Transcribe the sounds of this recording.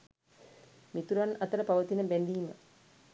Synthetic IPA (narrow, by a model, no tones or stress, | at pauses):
mit̪uɾanɐt̪əɾəpaʋət̪inəbendimə